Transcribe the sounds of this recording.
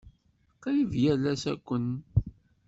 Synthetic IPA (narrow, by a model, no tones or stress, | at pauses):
qɑjivjælæsæ̰kʷːən